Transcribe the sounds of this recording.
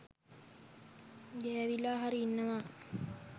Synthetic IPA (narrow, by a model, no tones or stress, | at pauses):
ɡɛːʋilaːɦaɾiinːəʋa